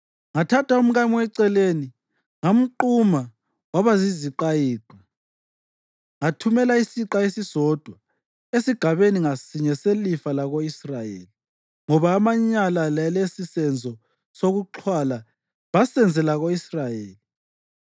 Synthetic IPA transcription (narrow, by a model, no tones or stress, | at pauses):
ŋatʰatʰaum̩ɣamiwɛǀɛleni | ŋom̩ǃuma | waβaziziǃajiːǃʱwa | ŋatʰumɛlaisiǁaesisɔd̥ʱwa | esiɡ̥ʱaβeniŋasiɲɛselifalaɣoisrajḛli | ŋɔβaːmaɲalallesisɛnd͡zʱɔ | soɣuǁʰwala | βasɛnd͡zʱɛlaɣoisrajeːli